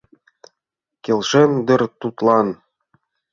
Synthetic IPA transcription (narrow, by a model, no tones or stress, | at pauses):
kʲelʲʃend̪ɤ̆rt̪ut̪lˠɑn